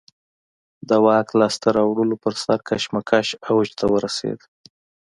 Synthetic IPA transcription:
d̪əwɑklaːst̪aɾɑwɽəlopəɾsaɾkʰaʃmakʰaʃawd͡ʒt̪ʰawəɾasḛd̪

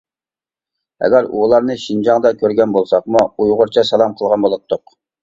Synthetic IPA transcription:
ɛ̰ɡʲɛɾṵlˠɑɾnɨʃind͡ʒɑŋd̪ɑkʲʰøɾɡʲɛnbolˠsɑqmuujʁʊɾt͡ʃʰɑsɑlˠɑmqʰəlˠʁɑnbolˠɑt̪ʰːʊq

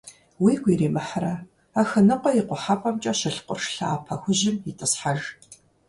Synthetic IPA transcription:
wiːɡʷiːreːmɨħarɐ | aːxɐnɨqʷɔjɪqʷɔħapʼɐmt͡ʃʼɐʃɪɬqʷʊ̰rʂɬaaːpʰɐxʷʊʑɪmjitʼɨsħaʒ

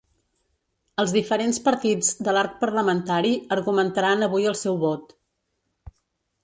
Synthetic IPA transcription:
əlˠzðifəɾenspəɾt̪id͡zd̪əlaɾk̚pəɾləmənt̪aɾiəɾɣumənt̪əɾanəβujəlˠsɛwβɔt̪

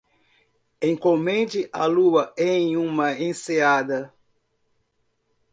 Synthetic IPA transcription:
ẽŋ̃komẽnd͡ʒɪʔa̰luɐẽj̃ũmɐẽsead̪ɐ

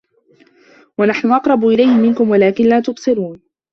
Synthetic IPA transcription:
wanaħnʊʔɑqɾˤɑbʊʔɪlajhɪmɪnkʊmwalaːkɪnlaːt̪ʊbsˤɨɾuːn

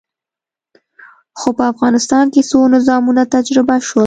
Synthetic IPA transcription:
xopəafɣɑnɪst̪ɑnkesonɪzɑmunat̪ad͡ʒɾɪbaʃo

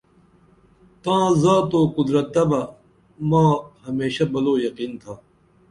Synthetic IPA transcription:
t̪ãːzaːt̪oːkʊd̪ɾɐt̪̚d̪ɐbɐ | mãːɦɐmeːɕabɐloːjɐqiːnt̪ʰaː

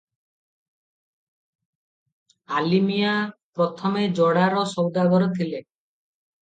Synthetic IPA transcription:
alimijapɾɔt̪ʰɔmed͡ʒɔɽaɾɔsɔwd̪aɡɔɾɔt̪ʰile

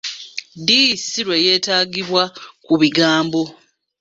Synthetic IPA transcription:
dijisiɾwe̞je̞ːtaːɡiβwakuβiɡaːmbo̞

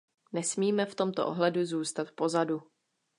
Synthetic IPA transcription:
nɛsmiːmɛft̪o̞mt̪oʔo̰ɦlɛduzuːst̪at̪po̞zadu

